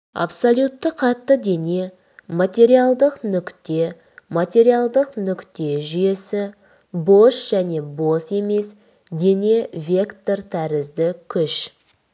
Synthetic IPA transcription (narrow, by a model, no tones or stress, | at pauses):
a̰psolʲjut̪ːəqʰɑt̪ːəd̪e̞ne̞ | mat̪ʲe̞ɾialˠd̪əqnʏkt̪e̞ | mat̪ʲe̞ɾialˠd̪əqnʏkt̪e̞ʒʏje̞sɪ | bo̞ʃʒ̥æne̞bo̞se̞me̞s | d̪e̞ne̞vʲe̞kt̪ort̪ʰæɾɪzd̪ɪkʲʰʏʃ